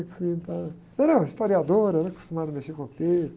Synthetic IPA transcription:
kfĩt̪ã | ɐ̃nɐ̃w̃ist̪oɾiad̪oɾɐɾ̃ku̥st̪umad̪ɐmeʃekõt̪e

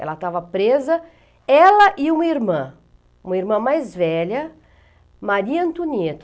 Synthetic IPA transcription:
ɛ̰lɐt̪avɐpɾezɐ | ɛlɐʔɪũmɐiɾmɐ̃ | ũmɐiɾmɐ̃majzvɛʎɐ | maɾiɐɐ̃nt̪unet̪

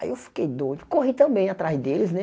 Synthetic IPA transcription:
aḭewfi̥kejd̪õd̪ʊkoɦit̪ɐ̃bẽj̃at̪ɾazd̪elɪznɛ

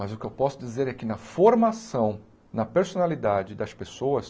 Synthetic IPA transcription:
mɐzʊkɪewpɔsʊd͡ʒizeɾɛkɪnɐfoɾmasɐ̃w̃ | nɐpeɾsonalid̪ad͡ʒɪd̪ɐspesowɐs

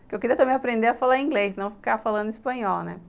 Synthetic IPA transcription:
kɪewkɪɾiɐt̪ɐmẽj̃apɾẽnd̪eɾafalaɾ̃ĩɡlejsnɐ̃w̃fi̥kafalɐ̃nd̪ʊispɐ̃ɲɔwnɛ̰

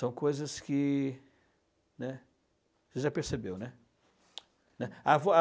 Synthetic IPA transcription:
sɐ̃w̃kojzɐskɪ | nɛ | ʒeʒapeɾsebewnɛ | nɛavɔa

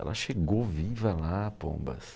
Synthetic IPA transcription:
ɛ̰lɐʃeɡowvivɐlapõ̰mbɐ̰s

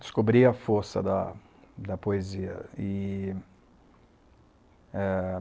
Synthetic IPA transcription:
d̪ɪ̥skobɾiɐfoɾsɐ̰d̪ɐ | d̪ɐpoeziɐ̰ɪ | ɛ

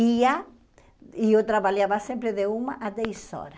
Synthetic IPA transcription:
ia | iot̪ɾaβaljaβasẽmpɾɪðeumaʔad̪ɛjsɔ̰ɾa

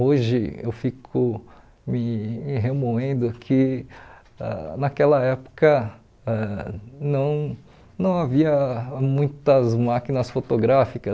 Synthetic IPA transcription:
oʒɪḛwfikʰʊ | mɪɦemoẽnd̪ʊkʰɪ | ɛ̰nɐkɛlɐɛpo̥kɐ | ɛnɐ̃w̃ | nɐ̃w̃aviɐmũj̃t̪ɐzmakinɐsfot̪oɡɾafikɐ

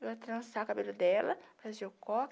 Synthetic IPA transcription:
eɐt̪ɾɐ̃sakabelʊd̪ɛlɐfɾɐzeʊkɔ

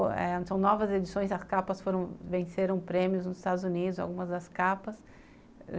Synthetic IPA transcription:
ɛ̰̃sɐ̃w̃nɔvɐzed͡ʒisõj̃zɐskapɐsfoɾɐ̃w̃vẽseɾɐ̃w̃pɾẽmjʊznʊzɪist̪ad̪ʊzunid̪ʊza̰wɡũmɐzd̪ɐskapɐs

